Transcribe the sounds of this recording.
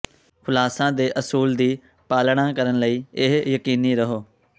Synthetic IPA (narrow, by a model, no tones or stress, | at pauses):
xʰʊlaːsãːd̪eːʔəsuːld̪iː | paːlɳ̃ãːkəɾənləiːɪɦjəkiːniːɾəɦoː